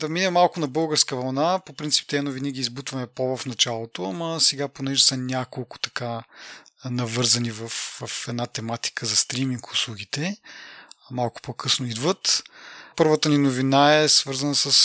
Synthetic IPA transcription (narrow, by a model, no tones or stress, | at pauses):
d̪ɐminɛmalˠkʊnɐbɤlˠɡəɾskəvɐlˠnapopɾint̪sip̚t̪ɛnoviniɡʲiːzbut̪vɐmɛpovɐfnɐt͡ʃalˠot̪oɐməsɛɡaponɛʒɛsɐnʲjakolˠkʊ̥t̪ɐ̥ka | nɐvɤɾzɐnivɐfvɐfɛd̪nat̪ɛmat̪i̥kəzɐst̪ɾimiŋkʊslˠuɡit̪ɛ | malˠkʊ̥pokʰɤsnoid̪vət̪pɤɾvət̪əninovinaɛsvɤɾzənəsəs